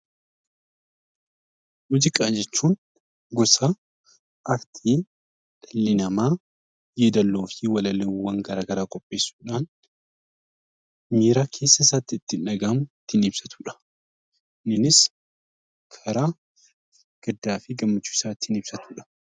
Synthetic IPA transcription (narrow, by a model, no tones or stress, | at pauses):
mʊd͡ʒɪkʼaːd͡ʒɛt͡ʃːuːn | ɡɔsaː | ʔɐɾt̪ʰiː | ᶑ̥ɐlːɪnɐmaː | jeːd̪ɐlːo̞ːfiwɐlɐlɛwːɐŋɡɐɾaːɡɐɾaːkʼɔpʼːe̞ːsːu̥ːᶑaːn | miːɾaːkʰe̞ːsːɐɪsaːt̪ːɪːt̪ːɪnᶑɐɡaːmʊt̪ːɪnɪbsɐt̪u̥ːᶑɐ̥ | nɪnɪs | kʰɐɾaː | ɡ̥ɐd̪ːaːfɪɡɐmːɐt͡ʃːuːɪsaːt̪ːɪhɪnɪb̥sɐt̪uːᶑɐ̥